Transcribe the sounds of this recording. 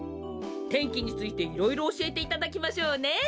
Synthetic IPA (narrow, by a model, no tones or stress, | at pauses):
t̪ẽ̞ŋkʲiɲ̟it͡sɨit̪e̞iɾo̞iɾo̞ːɕie̞t̪e̞it̪ad̪akʲimaɕo̞ːne̞